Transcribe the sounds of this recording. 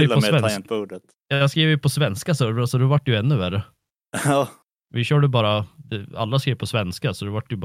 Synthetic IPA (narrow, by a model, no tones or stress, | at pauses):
j̪ɔɛpuːɖət̪ | jɑjɑɡskɾiːvəɾjɵpʰɔsvɛnskasœɾasɔd̪ɛhavaʈːjɵɛnːɵvæɾə | vɪɕœːɖəbɑːɾad̪ɛa̰lːaskɾiːvpʰɔsvɛnskasɔd̪ɛvaʈːjɵb